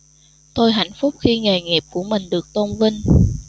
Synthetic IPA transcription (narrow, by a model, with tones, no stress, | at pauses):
t̪o˧jɦa̰˧˩jŋ̟fʊ˦˥k͡p̚xi˧ŋɛ˨˩jŋi˨˩p̚ku˧˩əmï˨˩ŋ̟ɗɨ˨˩ək̚t̪o˧ŋ͡mvi˧ŋ